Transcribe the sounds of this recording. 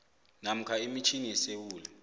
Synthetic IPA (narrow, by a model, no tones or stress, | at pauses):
nam̩kʰaimit͡ʃʰiniɛsewuːlɛ